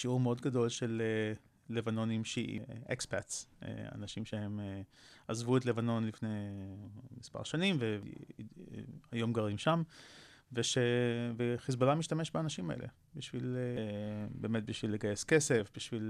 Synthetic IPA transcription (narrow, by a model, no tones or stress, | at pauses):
ʃiuʁmeo̞dɡado̞lʃeleː | evano̞nimʃiʔḭʔekspatsḛa̰naʃimʃehe̞meazvuetlevano̞nlifnej | mispa̰ʁʃanimvḛ | ajo̞mɡaʁimʃamveʃeveχizbolamiʃtameʃbeanaʃimaʔḛlʔḛ | biʃvilebeːmet̪̚biʃvilːeɡajeskese̞fbiʃvil